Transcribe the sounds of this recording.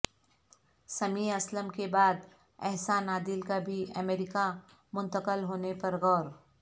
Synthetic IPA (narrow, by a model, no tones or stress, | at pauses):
sɐmiːɐsləmkebaːd̪ | ɛɦsanaːd̪ɪlkabʱiɐmeːɾɪka | mʊ̃nt̪əkəlɦoːnepɐɾɣɔːɾ